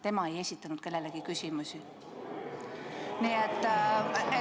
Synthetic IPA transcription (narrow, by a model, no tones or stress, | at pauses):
t̪e̞mɑe̞je̞sʲit̪ːˑɑnud̪̥ke̞lːe̞leɡikysʲimusʲi | niet̪ːˑ | e